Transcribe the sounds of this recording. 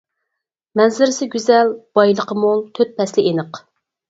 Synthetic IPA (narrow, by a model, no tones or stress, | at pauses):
mɛnzɪɾɪsɪɡʲyzɛlb̥ɑjlˠəqʰəmolˠt̪ʰøt̪̚pʰɛslɪʔenəq